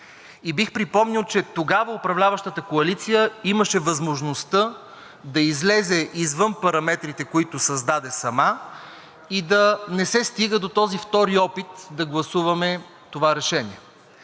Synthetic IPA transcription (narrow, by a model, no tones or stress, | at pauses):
ibixpɾipɔmnilˠt͡ʃɛt̪oɡavəʊpɾɐvlʲavɐʃt̪ət̪əkoɐlit̪sijəimɐʃɛvɐzmoʒnost̪ə | d̪ɐizlɛzɛʔizvɤnpɐɾɐmɛt̪ɾit̪ɛkoit̪ʊsɐzd̪ad̪ɛsɐma | id̪ɐnɛsɛst̪iɡəd̪ot̪ɔzift̪ɔɾiɔpit̪d̪ɐɡlˠɐsuvɐmɛ | t̪ovaɾɛʃɛnʲiɛ